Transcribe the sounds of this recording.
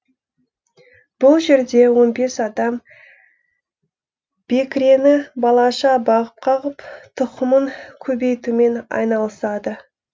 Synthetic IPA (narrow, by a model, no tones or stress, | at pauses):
b̥ʊlˠʒe̞ɾd̪e̞wo̞nbe̞sɑd̪ɑm | b̥e̞kʲɾenɪbɑlˠɑʃɑbɑʁəp̚qʰɑʁəpt̪ʰʊqəməŋkʲʰɵbe̞jt̪ume̞nɑ̰jnɑlˠəsɑd̪ə